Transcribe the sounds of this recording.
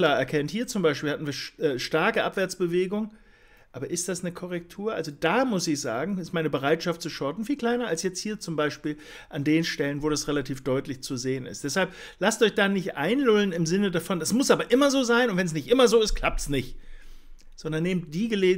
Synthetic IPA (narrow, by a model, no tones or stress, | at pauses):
laːɐɛɐkʰɛnthiːɐt͡sʊmbaɪʃpilhatn̩viːɐʃʔɛːʃtaɐkəʔapv̥ɛɐt͡sb̥əveːɡʊŋ | ʔaːbɐʔɪst̚d̥asnəkʰɔʁɛk̚tʰuːɐʔalzodaːmʊsɪçz̥a̰ːɡŋ̩ɪstmaɪnəbəʁaɪtʃaftt͡suʃɔɐtn̩fiːlkʰl̥aɪnɐalsjɛt͡sthiːɐt͡sʊmbaɪʃpiːl | ʔandeːnʃtɛlənvoːɾasʁelatʰiːfd̥ɔʏtlɪçt͡suzeːənɪ̰std̥ɛshalp̚ | lastʔɔʏçd̥aːnɪçtʔa̰ɪnlʊlənɪmzɪnədafɔndasmʊsʔaːbɐʔɪmɐzoːzaɪnʊntv̥ɛnsnɪçtʔɪmɐzoːɪst̚kʰl̥ap̚tsnɪçt | z̥ɔndɐnːeːmt̚d̥iːɡəleː